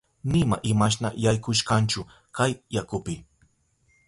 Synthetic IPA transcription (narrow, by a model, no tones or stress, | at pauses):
nɪmaʔɪmaʃ̬na̰jajkʊʃkant͡ʃʊ | kajjakʊpɪ